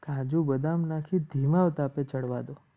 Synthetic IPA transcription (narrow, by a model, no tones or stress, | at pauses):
kãd͡ʒũbəd̪amnakʰĩd̪ʱimaʋt̪apet͡ʃəɽʋad̪o